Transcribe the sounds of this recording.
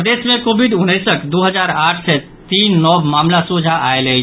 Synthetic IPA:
d̪esmẽkobiɖunːəjsəʈd̪oɦəd͡ʒaɾaːʈʰsɛ | t̪iːnːɔbmaːmlasud͡ʒʱaʔaelə

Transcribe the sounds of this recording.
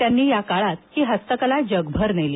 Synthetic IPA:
janːiːjakaɭat̪hiːɦəst̪əkəlad͡ʑəɡbʱəɾneliː

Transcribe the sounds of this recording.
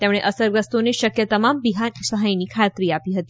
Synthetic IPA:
t̪emɽ̃eʔəsəɾɡəst̪oneʃəkjət̪əmambiɦasəɦajniːkʰat̪ɾiːapiɦət̪i̥

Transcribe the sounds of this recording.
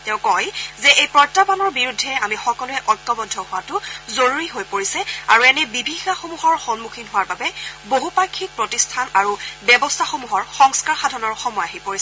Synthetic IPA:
tɛ̃ʊ̃kɔjzɛʔejpɹɔjtːabanɔɹbiɹudʱːɛamixɔkɔlʊɛʔɔɹtːɔbɔdʱːɔhʊwatʊzoɹuɹiɦojpoɹisɛa̰ɹuɛnɛbibʱixaxomuɦɔɹxɔnmukʰinɦʊwaɹbabɛboɦupakʰːik̚pɹotistʰanaɹubɛbɔstʰaxomuɦɔɹxɔŋskaɹxadʱɔnɔɹxɔmɔjaɦipoɹisɛ

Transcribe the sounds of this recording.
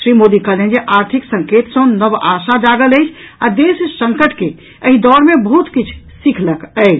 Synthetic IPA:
ʃɾimod̪ikəlẽnd͡ʒeʔaɾt̪ʰiksə̃ŋket̪sə̃nəbasad͡ʒaɡələjt͡ʃʰad̪essə̃ŋkəʈke | əɦid̪ɔɾmẽbəɦut̪kit͡ʃʰ | sikʰləkəɪt͡ʃʰ

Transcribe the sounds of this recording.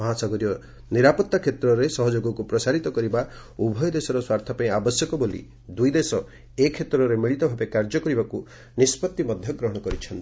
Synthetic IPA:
mɔɦasaɡɔɾiɔ | niɾapɔt̪ːakʰet̪ɾɔɾesɔɦɔd͡ʒoɡɔkupɾɔsaɾit̪ɔkɔɾiba | ubʱɔjɔd̪esɔɾɔswaɾt̪ʰapaĩabɔsjɔkɔbolḭ | d̪ujd̪esɔ | ekʰːet̪ɾɔɾemiɭit̪ɔbʱabekaɾd͡ʒɔkɔɾibaku | nispɔt̪ːimɔd̪ʱjɔɡɾɔɦɔɽ̃ɔkɔɾit͡ʃʰɔnt̪i

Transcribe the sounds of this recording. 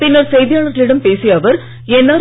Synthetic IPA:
pinːɐrsejd̪ijaːɭɐrt̪ːiliɽɐmpeːsijɐʋɐr | enːaːɾ

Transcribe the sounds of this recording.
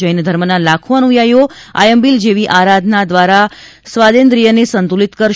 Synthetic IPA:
əjnd̪ʱəɾmənalakʰuənujajoa̰jəmbild͡ʒeʋiʔaɾad̪ʱnad̪ʋaɾa | sʋad̪end̪ɾijənesənt̪ulit̪kəɾʃ

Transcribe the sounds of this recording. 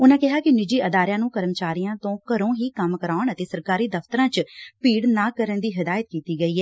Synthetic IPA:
ʊnãːkɪɦaːkɪnɪd͡ʒiːʔəd̪aːɾjãːnũːkəɾəmt͡ʃaːɾijãːt̪õːkəɾõːɦiːkəmkəɾaːʊɳət̪eːsəɾkaːɾiːd̪əft̪əɾãːt͡ʃpiːɽnaːkəɾənd̪iːɦɪd̪aːjət̪̚kiːt̪iːɡəiːɦɛː

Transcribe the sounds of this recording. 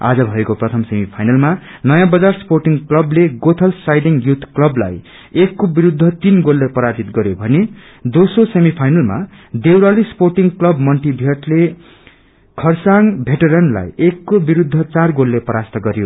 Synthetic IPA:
a̰d͡zʌbʱʌekoprʌt̪ʰʌmsemipʰajnʌlmanʌjãbʌd͡zarsporʈiŋklʌbleɡot̪ʰʌlsajdiŋjut̪ʰklʌbla̰j | ekːobiɾud̪ʱːʌt̪inɡolːepʌɾad͡zit̪ɡʌɾjobʱʌne | d̪osrosemipʰajnʌlma̰ | d̪ewɾalisporʈiŋklʌbmʌnʈibʱʌʈle | kʰʌrsaŋbʱeʈʌɾʌnla̰jekːobiɾud̪ʱːʌt͡sarɡolːepʌɾast̪ʌɡʌɾjo

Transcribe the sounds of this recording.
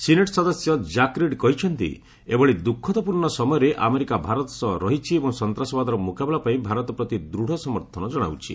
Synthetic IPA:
sineʈsɔd̪ɔsjɔd͡ʒakɾeɖkɔɦit͡ʃʰɔnt̪ḭ | ebɔɭid̪ukʰːɔt̪ɔpuɾɳɔsɔmɔjɔɾeʔʔameɾikabʱaɾɔt̪ɔ̥sɔɦɾɔɦit͡ʃʰiebɔŋsɔnt̪ɾasɔbad̪ɔɾɔmukabelapaĩbʱaɾɔt̪ɔpɾɔt̪id̪ɾuɽ̤ɔsɔmɔɾt̪ʰɔnɔd͡ʒɔɽ̃a̰wt͡ʃʰḭ

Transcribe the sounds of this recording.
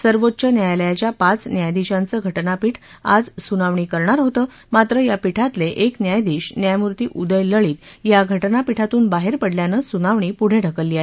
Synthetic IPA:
səɾʋot̪ːɕənjajləjat͡ɕjapat͡snjajd̪iɕãnt͡səːɡʱəʈnapiːʈʰ | a̰d͡zsunaʋɳikəɾɳaɾɦot̪əː | mat̪ɾəjapiʈʰat̪leʔeknjajd̪iɕnjajmuɾt̪iːʔud̪əjləɭiːt̪jaɡʱəʈnapiʈʰat̪uːnbaɦeɾpəɽljanəsunaʋɳiːpuɽ̤eɖʱəkəlːiaɦe

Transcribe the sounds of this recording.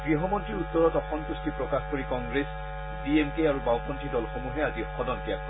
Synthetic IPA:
ɡɹiɦɔmɔntɹiɹut̪ːɔɹɔtɔxɔnt̪ustipɹɔkaxkoɹikɔŋɡɹes | biemkeaɹubawkɔntɹidɔlxomuɦɛaziɔxɔdɔnkapɔ

